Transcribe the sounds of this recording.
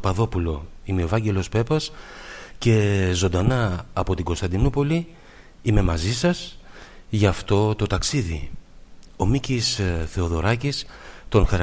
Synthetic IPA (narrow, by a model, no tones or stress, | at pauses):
pɐðo̞pulo̞imeo̞vɐɲɟe̞lo̞spe̞pɐsce̞zo̞nd̪ɐnɐːpo̞t̪iɡo̞st̪ɐnd̪inupo̞li | ime̞mɐzisɐs | ʝɐft̪o̞t̪o̞t̪ɐksiðḭ | o̞micisθe̞o̞ðo̞ɾɐcist̪o̞nxɐɾ